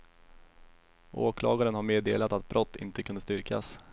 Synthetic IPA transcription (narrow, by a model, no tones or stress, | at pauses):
ʔoːkʰlɑ̰ːɡaɾənhaɾmeːd̪ḛːlat̪at̪̚bɾʔɔt̪ːɪ̰nt̪əkʰɵnd̪əst̪ʏɾkʰa̰s